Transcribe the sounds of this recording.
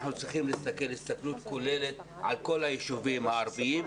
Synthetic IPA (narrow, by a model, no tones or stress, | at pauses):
nut͡sʁiχimlist̪ake̞lhist̪aklut̪ko̞le̞le̞t̪ | ʕalko̞lhajeʃuvimhaːɾbiim